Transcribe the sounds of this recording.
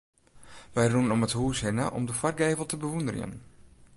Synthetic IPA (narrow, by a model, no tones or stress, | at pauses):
ʋɛjrunənɔməthuːsɦɪnə̰ʔɔ̰mdəfarɡeːvəlˠtəbəʋundərjə̰n